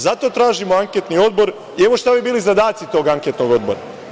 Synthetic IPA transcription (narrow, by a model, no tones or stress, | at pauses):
zat̪o̞t̪ɾaːʒimoaŋket̪nio̞d̪̚bo̞ɾ | ie̞ʋo̞ʃt̪abibiːlizad̪aːt̪sit̪o̞ːɡaŋket̪no̞ɡo̞d̪̚bo̞̰ɾa̰